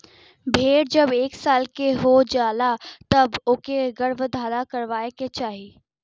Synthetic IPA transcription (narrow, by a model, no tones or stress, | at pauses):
bʱeːɽd͡ʑɐbeːksaːlkeɦod͡ʑaːlat̪ɐbʊkeɡɐɽʋəd̪ʱaːɾakɐɾʋaːeket͡ɕaːɦi